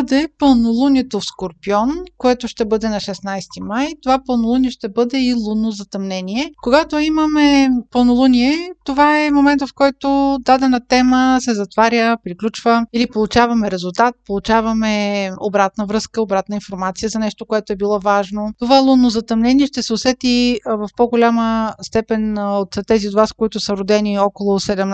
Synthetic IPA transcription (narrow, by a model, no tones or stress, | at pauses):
d̪ɛpɤlˠnolˠunʲiɛt̪ofskoɾpiɔnkoɛt̪oʃt̪ɛbɤd̪ɛnɐʃɛsnajst̪imajt̪ovapɤlˠnolˠuniɛʃt̪ɛbɤd̪ɛilˠunːozɐt̪ɐmnɛniɛkoɡat̪oimɐmɛpəlˠnolˠunʲiɛt̪ovaɛmomɛnt̪əfkɔjt̪od̪ad̪ɛnɐt̪ɛməsɛzɐt̪vaɾʲjəpɾiklʲut͡ʃvəilipolˠut͡ʃavɐmɛɾɛzʊlˠt̪at̪̚polˠut͡ʃavɐmɛobɾat̪nəvɾɤskəobɾat̪nəinfoɾmat̪sijəzɐnɛʃt̪okoɛt̪oɛbilˠɔvaʒnot̪ovaɛlˠunːozɐt̪ɐmnɛniɛʃt̪ɛsɛʊsɛt̪ivɐfpɔɡolʲaməst̪ɛpɛnot̪ːɛziod̪vaskoit̪ʊsəɾod̪ɛniɔkolˠosɛd̪ɛm